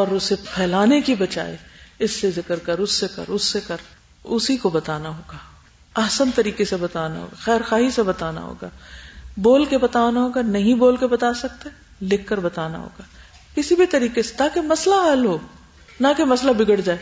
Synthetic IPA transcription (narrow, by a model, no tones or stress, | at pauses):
ɔːɾʊsepʰɛːlaːnekibɐt͡ʃa̰ːḛɪsːezɪkəɾkəɾʊsːekɐ̰ɾʊsːekɐɾ | ʊsikobɐt̪aːnaɦoːɡaː | ɐɦsənt̪ɐɾiːkesebɐt̪aːna̰ɦo̰ːɡaxɛːɾxaːɦisebɐt̪aːna̰ɦo̰ːɡaːboːlkebɐt̪aːnaɦoːɡanɐɦĩboːlkebɐt̪aːsɐk̚t̪e | lɪkʰːɐɾbɐt̪aːna̰ɦo̰ːɡaː | kɪsibʱit̪ɐɾiːkese̥t̪aːkemɐslaɦɐlɦoː | nakemɐslabɪɡəɽd͡ʒaːe